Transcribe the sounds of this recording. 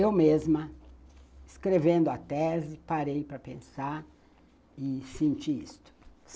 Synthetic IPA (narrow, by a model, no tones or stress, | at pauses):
ewmezmɐ | ɪskɾevẽnd̪ʊɐt̪ɛzɪpaɾejpɾɐpẽsaɾ | ɪsĩnt͡ʃiḭst̪ʊ̥